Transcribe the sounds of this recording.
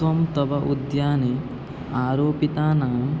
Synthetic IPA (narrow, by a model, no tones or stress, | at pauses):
ʋɐmt̪ɐbɐʔud̪jaːneː | aːɾoːpit̪aːnaːm